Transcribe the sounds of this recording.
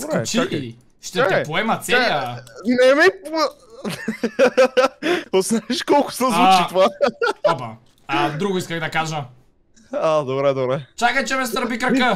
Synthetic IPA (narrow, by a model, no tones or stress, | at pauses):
obɾɛt͡ʃiak | ʃt̪ɛak̪apoɛmɐt̪saanɛmɛp | posnaɛʃkɔlˠkʊ̥sɛzvut͡ʃit̪oaapa | ad̪ɾuɡoiskɐɣd̪ɐkaʒɐ | ad̪obɾɛd̪obɾɛt͡ʃakɐt͡ʃɛmɛst̪ɾbikɾɐkə